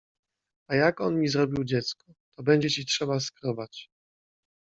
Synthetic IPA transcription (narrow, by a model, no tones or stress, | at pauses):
ajakɔnmʲizɾɔbʲiwd͡ʑɛt̪skɔt̪ɔbɛɲd͡ʑɛt͡ɕitʂɛbaskɾɔbat͡ɕ